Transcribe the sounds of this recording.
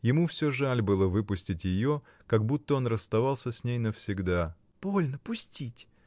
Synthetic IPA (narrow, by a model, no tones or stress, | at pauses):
jɪmufsʲoʐalʲbɨlˠəvɨpʊsʲtʲɪtʲjɪjo | kɐɡ̚but̪ːəo̞nrəst̪ɐvalˠsʲəsʲnʲejnəfsʲɪɡd̪a | b̥o̞lʲnəpʊsʲtʲitʲ